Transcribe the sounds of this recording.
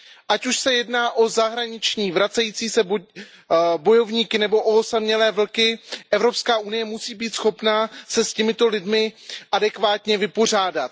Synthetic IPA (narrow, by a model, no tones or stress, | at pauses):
ʔacuʃsɛjɛdnaːʔo̞zaɦɾaɲɪt͡ʃɲiːvɾat͡sɛjiːt͡siːsɛb | bo̞jo̞vɲiːkɪnɛbo̞ʔosamɲɛlɛːvl̩kɪʔɛvɾo̞pskaːʔunɪjɛmusiːbiːt̪sxo̞pnasɛscɛmɪt̪o̞lɪdmɪʔadɛkvaːt̪ɲɛvɪpo̞r̝aːdat̪̚